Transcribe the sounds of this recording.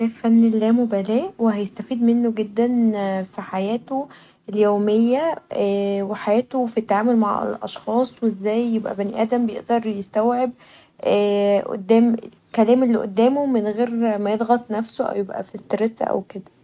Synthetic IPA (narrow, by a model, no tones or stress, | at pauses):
æfænːelːæːmobælæːʔwehæjest̪æfiːd̪menːoɡed̪ːænfiħajæːt̪o | eljoːmejːæ | weħajæːt̪ofit̪ːaʕaːmolmaʕḛlʔɑ̰ʃxɑːsˤweezːæːjːebʔæ̰bæniʔæːd̪æmbejḛʔd̪ɑɾˤjest̪æwʕeb̚ | ʔæːʔo̰d̪ːæːme | kælæːmelːiʔo̰d̪ːæːmomenɣeːɾmæjed̪ˤɣɑt̪ˤnæfsoʔæ̰wjebʔæ̰fist̪eɾesæ̰ʔæ̰wked̪æ